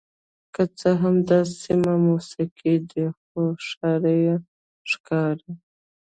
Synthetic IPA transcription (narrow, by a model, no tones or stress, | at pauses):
kət͡səɦamd̪asimamusiqid̪əxoʂɑɾəja | ʂkɑɾi